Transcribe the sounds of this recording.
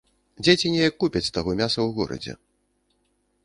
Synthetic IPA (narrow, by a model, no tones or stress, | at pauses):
d͡zʲet͡sʲinʲɛjɐkːupʲɐt͡sʲst̪aɣɔmʲasɐwɣɔ̰ɾɐ̰d͡zʲɛ̰